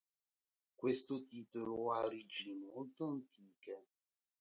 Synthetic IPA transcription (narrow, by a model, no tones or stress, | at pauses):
kwest̪ʊt̪iːt̪oloarid͡ʒiimolt̪oant̪ʰiːka